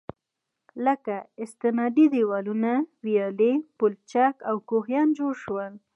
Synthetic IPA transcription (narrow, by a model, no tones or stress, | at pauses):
ləkaɪst̪ɪnɑd̪id̪iwɑlunawijɑlepʊlt͡ʃakawkoɦjɑnd͡ʒoɽʃwəl